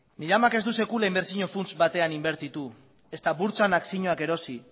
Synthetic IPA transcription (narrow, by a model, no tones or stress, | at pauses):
niɾamake̞zd̪use̞kulaimbe̞ɾsiɲo̞funt͡sbat̪e̞animbe̞ɾt̪it̪u | e̞st̪aβuɾt͡sanaksiɲoake̞ɾo̞si